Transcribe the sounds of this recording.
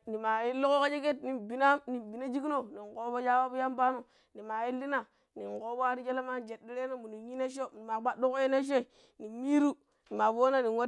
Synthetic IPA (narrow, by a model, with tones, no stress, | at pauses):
ni˨ma˨ji˦lo˦ko˦ka˦d͡ʒe˦ke˦tni˨bi˨na˦ni˨bi˨na˦d͡ʒi˦ki˦no˦ni˨ŋko˦bo˦ja˦wa˦bu˦ja˦mba˦no˨ | ni˨ma˨ji˦lːi˦na˨ | ni˨ŋ˨ko˦bo˦a˦ɾi˦d͡ʒe˦la˦ma˦˨d͡ʒe˨di˦ɾe˦no˦mu˨ni˨ɲi˦ne˦ʃ̬o˦˨ni˨ma˨ɡ͡ba˦do˦ko˦je˦ne˦ʃ̬o˦i˨ | ni˨mi˦ɾu˦ | ni˨ma˨vo˦na˦ni˨wo˦